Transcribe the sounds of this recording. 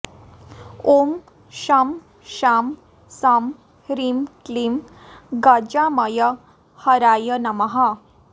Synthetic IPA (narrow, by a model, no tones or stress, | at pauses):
om | ɕam | ɕam | sam | ɾimklim | ɡad͡ʑaməjə | həɾajənɐmɐɦa